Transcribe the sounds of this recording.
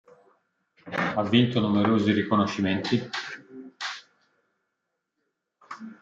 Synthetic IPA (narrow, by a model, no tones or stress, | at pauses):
avːint̪onumeɾoːziɾikonoʃːiment̪i